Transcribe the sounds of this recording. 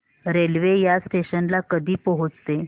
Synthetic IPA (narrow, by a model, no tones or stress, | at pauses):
ɾelʋejasʈeɕənlakəd̪ʱiːpəɦot͡st̪e